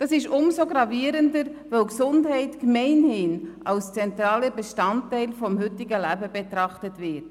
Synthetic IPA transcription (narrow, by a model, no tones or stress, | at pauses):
d̥ɑsɪʃʊmsoɡɾɑviəɾəndəɾvœwksʊndɦɛɪtkmɛɪnhɪnʔɑlst͡sɛntɾɑːləbɛʃtɑntɛɪlfɔmhʏtːɪɡəlæbəbɛtɾɑχtətvɪt